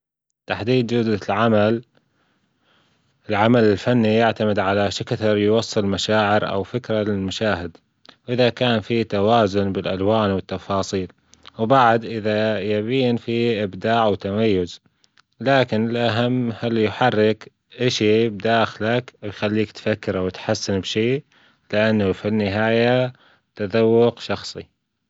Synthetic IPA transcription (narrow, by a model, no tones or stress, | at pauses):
t̪aħd̪iːd̪̚d͡ʒʊd̪lʕamal | ɪlʕamalɪlfanːijaʕt̪amɪd̪ʕalaʃɪkaθɑɾˤjwɑsˤːɨlmaʃaːʕɪɾʔa̰wfɪkɾalɪlmaʃaːhɪd̪ | wʔɪðakaːnfit̪awaːzʊnbɪlʔalwaːnwɪt̪ːɑfɑːsˤiːl | wbaʕd̪ʔɪðajabiːnfiʔɪbd̪aːʕawt̪amajːʊz | laːkɪnɪlʔaɦamːhalːjħarːɪk | ʔaʃibd̪aːxlakjxalːiːkt̪fakːɪɾawt̪ħasːɪnbʃiː | lɪʔanːafinːɪɦaːja | t̪aðawːʊqʃɑxsˤi